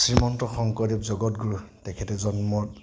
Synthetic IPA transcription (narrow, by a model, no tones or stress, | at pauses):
sɹimɔntɔxɔŋkɔɹipzɔɡɔtɡuɹutɛkʰɛtɛzɔnmɔt